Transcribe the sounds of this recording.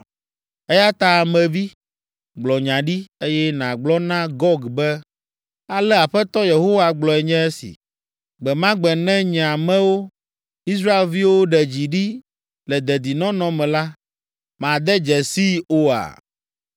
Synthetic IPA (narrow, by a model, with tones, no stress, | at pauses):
ɛ˦ja˦t̪a˦˨mɛ̃˨vi˦ | ɡ͡blɔ˨ɲã˨ɖi˦e˦jɛ˦nã˨ɡ͡blɔ˦nã˦ɡɔ˦ɡbɛ˦ | a˨lɛ˦a˨ɸɛ˦t̪ɔ˦je˨ɦo˦wa˨ɡ͡blɔ˨ɛ˨ɲɛ̃˦ɛ˦sḭ˨ | ɡ͡bɛ˨mã˦ɡ͡bɛ˨nɛ̃˦ɲɛ̃˨a˨mɛ̃˦wo˦ | i˦s̬ɾa˦e˦˨lvi˦wo˦ɖɛ˨d͡ʑi˨ɖi˦ | lɛ˨d̪ɛ˨d̪i˨nɔ̃˦nɔ̃˦mɛ̃˨la˦ | mã˨d̪ɛ˦d͡ʒɛ˨si˦o˦a̰˨